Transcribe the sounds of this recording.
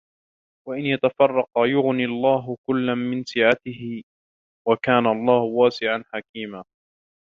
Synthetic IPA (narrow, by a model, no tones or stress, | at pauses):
waʔɪnjat̪afɑrˤːɑqɑjʊɣniɑlˤːɑːɦʊkʊlːanmɪnsɪːʕat̪ɪhɪ | wakaːnaɑlˤːɑːhʊwaːsɪʕanħakiːmaː